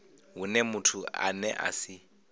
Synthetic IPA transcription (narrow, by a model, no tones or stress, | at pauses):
ɦunɛmutʰua̰nɛ̰ʔa̰sɪ